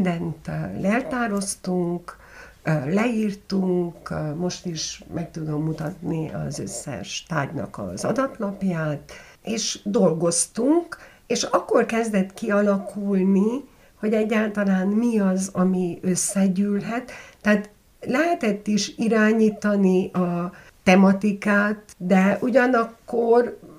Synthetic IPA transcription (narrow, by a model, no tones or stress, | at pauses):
d̪ɛnt̪lɛlt̪aːɾo̞st̪uŋk | lɛiːrt̪uŋkmo̞ʃt̪iʃmɛk̚t̪ud̪o̞mːut̪ɒt̪niɒ̰zø̰sːɛ̰ʃt̪a̰ːɟnɒ̰kɒ̰zɒ̰d̪ɒt̪nɒpjaːt̪ | eːʃd̪o̞lɡo̞st̪uŋk | eːʃɒkːo̞rkɛzd̪ɛt̪kiɒlɒkʰulni | ho̞ɟɛɟːaːlt̪ɒlaːnmiɒzɒmiø̞sːɛɟyːlɦɛt̪ːɛːt̪ | lɛɦɛt̪ɛt̪ːiʃiɾaːɲiːt̪ɒniʔɒ | t̪ɛmɒt̪ikaːt̪d̪ɛʔuɟɒnɒkːor